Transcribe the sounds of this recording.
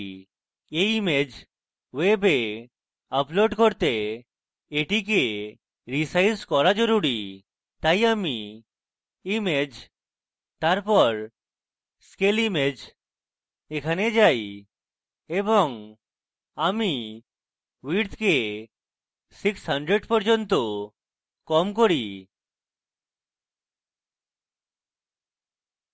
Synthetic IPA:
eimed͡ʒ | webe | əploɖkɔɾt̪eː | ʈik̬e | ɾisajskɔɾad͡ʒɔɾuɾi | t̪ajami | imed͡ʒ | t̪aɾpɔɾ | skelimed͡ʒ | ekʰaned͡ʒaj | ebɔŋ | ami | wiɾt̪ʰke | siksɦʌɳɖɾeɖpɔɾd͡ʒɔnt̪o | kɔmk̬oɾi

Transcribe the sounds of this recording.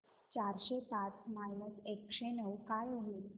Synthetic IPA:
t͡ɕaɾɕepat͡smainəsekɕenəwkajoɦiːl

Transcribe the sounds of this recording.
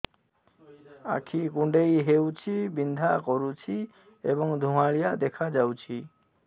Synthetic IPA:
a̰kʰikũɳɖejɦewt͡ʃʰibind̪ʱakɔɾut͡ʃʰi | ḛbɔŋd̪ʱumaɭijaʔd̪ɛkʰad͡ʒawt͡ʃʰi

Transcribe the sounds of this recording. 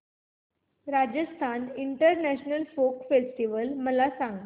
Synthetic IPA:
ɾad͡ʑəst̪ʰaniɳʈəɾnæɕnəlfokfesʈiʋəlməlasãŋɡ

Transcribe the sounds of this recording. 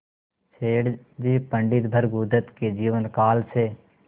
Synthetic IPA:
t͡ʃʰeːɽ | d͡ʒiːpə̃ɳɖɪt̪bʱəɾɡud̪ət̪ked͡ʒiːʋənkaːlseː

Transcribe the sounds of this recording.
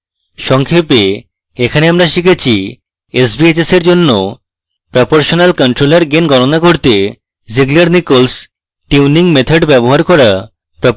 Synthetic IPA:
ʃɔŋkʰepe | ekʰaneamɾaʃikʰet͡ɕʰi | esbied͡ʑeseɾd͡ʑonːo | pɾɔpoɾʃonalkɔɳʈɾolaɾɡenɡɔnonakoɾt̪e | d͡ʑiɡlaɾnikols | ʈiuniŋmet̪ʰaɖbɛboɦaɾkɔɾa | pɾɔ

